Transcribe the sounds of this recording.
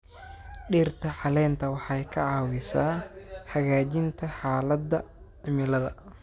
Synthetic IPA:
ɖiːrt̪ʰɐħɑlɛːnt̪ʰɐwɑħɑjkʰɐʕɑːwɪsaːħɑɣaːt͡ʃɪnt̪ʰɐħɑːlɐd̪ːɐ | ʕɪmɪlɐðɐ̰

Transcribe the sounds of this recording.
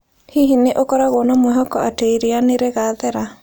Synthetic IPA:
hiɦineʔokɔɾaɣonamwɛɦɔkɔateiɾeaneɾeɣaðɛɾa

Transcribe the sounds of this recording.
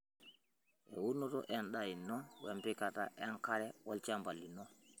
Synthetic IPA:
ʔɛwunɔtɔ̰ʔɛnɗajinːɔwɛmpikata̰ʔɛnkaɾɛwalt͡ʃambalːinɔ

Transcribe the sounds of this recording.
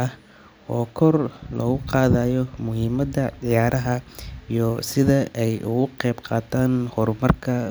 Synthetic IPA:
ɐh | ɔːkʰɔrlɔ̰ɣʊqɑːðaːjɔmʊɦiːmɐd̪ɐdɪjaːɾʔɐɦɐijɔsɪðɐʔɛjʔʊɣʊqɛjbqɑːt̪ʰaːnhɔrmɐrkʰɐ

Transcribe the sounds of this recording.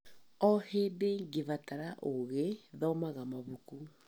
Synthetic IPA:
ɔhedeŋɡevataɾaʔoɣeðɔmaɣamaβuku

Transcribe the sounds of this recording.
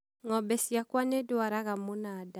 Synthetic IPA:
ŋɔbɛsiakwanedoaɾaɣamonada

